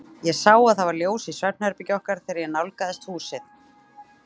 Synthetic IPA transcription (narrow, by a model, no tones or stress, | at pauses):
jɛɣsaːwaðθavaɾljoːwsɪsvɛp̚n̥hɛɾpɪcɔhkaɾ̥θɛːɾɪɾjɛnawlkaðɛst̪huːsɪθ